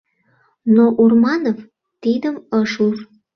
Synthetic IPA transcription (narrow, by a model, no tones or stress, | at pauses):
noʔurmɑnov | t̪id̪əməʃur